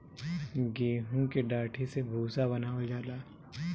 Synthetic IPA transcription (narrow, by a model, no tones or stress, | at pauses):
ɡeːɦũkeɖaːʈʰisebʱuːsabɐnaːod͡ʒaːlaː